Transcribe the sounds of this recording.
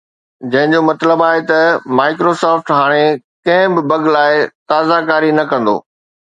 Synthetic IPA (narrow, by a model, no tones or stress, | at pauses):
d͡ʑɐ̃ɦɪ̃ɲd͡ʑomɐt̪ləbaːɦet̪ɐmaːɪkɾosaːfʈɦaːɽ̃e | kɐ̃ɦɪ̃bɪbɐɡlaːɪt̪aːzakaːɾinɐkɐ̃nd̪o̰ː